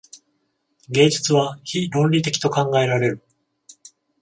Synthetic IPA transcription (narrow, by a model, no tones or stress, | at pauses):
ɡẽ̞ːd͡ʑi̥t͡sɨβaçiɾõ̞nɾʲit̪e̞kʲi̥t̪o̞kãŋɡae̞ɾaɾe̞ɾɯ̟